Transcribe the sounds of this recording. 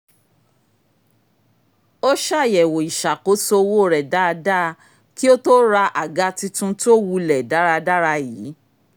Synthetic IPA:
o˦ʃa˦˨jɛ˨wo˨i˨ʃa˨ko˨˦so˧wo˦˨ɾɛ˨da˦˧da˦˧ | ki˦o˦to˦ɾa˧ʔa˨ɡa˧ti˧tũ˦to˦wu˧lɛ˨da˨˦ɾa˧da˦ɾa˧jiː˨˦

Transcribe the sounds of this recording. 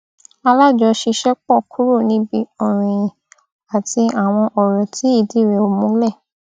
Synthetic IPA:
a˧la˦˨d͡ʒɔ˧˦ʃi˧ʃɛ˦k͡pɔ˦˨kʰu˦ɾo˦˨nĩ˧˦bi˧˦ɔ̃˨ɾ̃ĩ˨ | a˨ti˧a˨w̃ɔ̃˧ʔɔ˨ɾɔ̃˨tʰi˨˦i˦˨di˦˨ɾe˨o˧mũ˦lɛ˦˨

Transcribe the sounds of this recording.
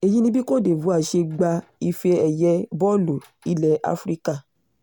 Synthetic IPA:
e˨ji˦nĩ˦bi˦ko˦˨de˨vu˨˦a˦˨ʃe˧ɡ͡ba˧i˧fe˧ɛ˨jɛ˨˦bɔ˦lu˨ | i˦lɛ˨ʔa̰˧˦fɾi˦ka˦˨

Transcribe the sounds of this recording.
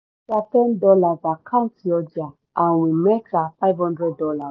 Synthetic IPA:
sa˧tɛ˦n˦dɔ˧la˨va˨kã˦˨n˦ti˨ɔ˧d͡ʒa˨ | a˨w̃i˨mɛ˦ta˧fa˦i˦vhɔ̃˦ndɾɛ˦dːɔ˧la˨

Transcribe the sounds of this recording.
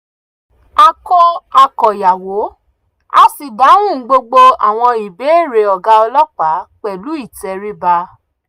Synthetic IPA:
a˧kɔ˧a˨kɔ˨ja˨wo˨˦ | a̰˦si˨da˨˦w̃ũ˦˨˦ɡ͡bo˧ɡ͡bo˧a̰˨w̃ɔ̃˧i˨be˨˦e˦˨ɾe˧˨ɔ˨ɡa˧ɔ˧lɔ˦k͡pa˨˦k͡pɛ˨lu˨˦i˦˨tɛ˧ɾi˦ba˧

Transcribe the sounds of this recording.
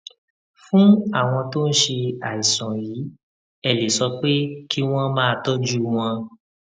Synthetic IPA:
fũ˦a˦˨w̃ɔ̃˧to˦n̩˦ʃe˧a˨i˨sɔ̃˨jiː˨˦ | ɛ˦˨le˨sɔ˧k͡pe˦kʰi˦w̃ɔ̃˦mãː˦˧tɔ˦d͡ʒu˦w̃ɔ̃˧

